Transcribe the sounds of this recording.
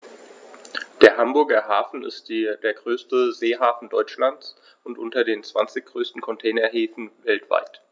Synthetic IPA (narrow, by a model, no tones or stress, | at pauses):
d̥eːɐɦambʊɐɡɐhaːfn̩ɪ̰stːdeːɐɡʁøːstəzeːɦaːfn̩dɔʏt͡ʃlant͡s | ʊntʔʊntɐdeːnt͡sv̥a̰nt͡sɪçɡ̥ʁøːstn̩kʰɔntʰɛːnɐɦeːfn̩vɛltv̥a̰ɪt